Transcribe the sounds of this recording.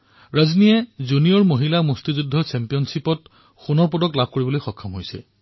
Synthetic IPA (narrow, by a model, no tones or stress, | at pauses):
ɹaznijɛzunijɔɹmoɦilamostizudʱːɔt͡ʃɛmpijɔnsipɔt̚ | xunɔɹpɔdɔklab̚ʱkoɹibɔlojxɔkʰːamɦojsɛ̰